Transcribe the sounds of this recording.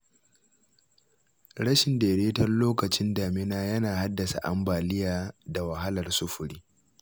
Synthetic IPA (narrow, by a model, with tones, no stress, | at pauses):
ɽɐ˦ʃɪ˨ndeː˨ɽeː˦tɐ˦rloː˦kɐ˨t͡ʃɪ˦ndaː˨mɪ˦naː˦jɐ˦naː˨ha˦dːɐ˨sa̰˨ʔa̰˦mbaː˨lɪ˦jaː˨da˨wɐ˨ɦa˦lɐ˨rsʊ˦ɸʊ˨ɽiː˦